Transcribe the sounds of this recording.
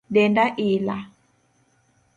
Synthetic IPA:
dɛndaʔila

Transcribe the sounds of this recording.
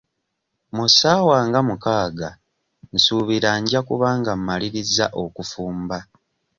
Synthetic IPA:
musaːwaːŋɡamukaːɡa | n̩suːβiɾaɲɟakuβaːŋɡam̩ːaliɾiza̰ʔo̞kufuːmba

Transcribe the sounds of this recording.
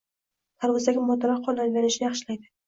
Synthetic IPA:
t̪ʰaɾʁɨsaɡʲɪmɒt̪aɾɑqʰːɒlalvʲanɪʃɪnɪjɑχʃɪlajd̪ɪ

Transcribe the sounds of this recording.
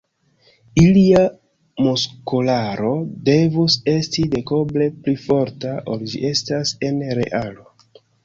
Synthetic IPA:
ilia | moskolaɾo̞de̞vuse̞stide̞ko̞ble̞plifo̞ɾtaʔoɾd͡ʒḭʔe̞stase̞nɾe̞̰ʔalo̞

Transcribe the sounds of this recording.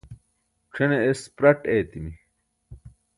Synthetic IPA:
ʈ͡ʂʰeneespɾɐʈeːt̪imi

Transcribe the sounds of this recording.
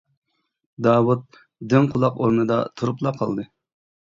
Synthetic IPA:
d̪ɑːwut̪̚ | d̪ɪŋqʰʊlˠɑqoɾnɨd̪ɑ̰t̪ʰuɾuplˠɑqʰɑ̰lˠd̪ɨ

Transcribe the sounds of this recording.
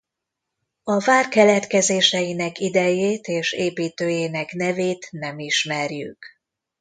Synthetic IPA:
ɒvaːrkɛlɛt̪kɛzeːʃɛjinɛkid̪ɛjeːt̪eːʃeːpiːt̪øːjeːnɛknɛveːt̪nɛmiʃmɛrjy̰k

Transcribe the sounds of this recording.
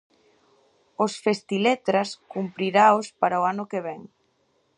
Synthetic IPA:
osfest̪ilet̪ɾaskumpɾiɾaospaɾaoanʊkeβɛŋ

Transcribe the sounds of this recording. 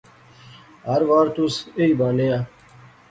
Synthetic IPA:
ɦɐɾʋaːɾt̪useiːbaːnejaː

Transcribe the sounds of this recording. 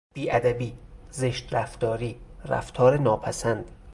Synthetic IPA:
b̥iːʔæd̪æbiːzeʃt̪ræft̪ɒːɾiːræ̰ft̪ʰɒːɾenɒːpʰæsænd̪̥

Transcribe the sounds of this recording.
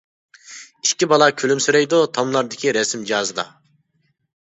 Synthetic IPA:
iʃkʲibɑlˠɑkʲʰylymsyɾɛjd̪ut̪ʰɑmlˠɑɾd̪ɪkʲʰiɾɛsimd͡ʒɑːzɨd̪ɑ̰

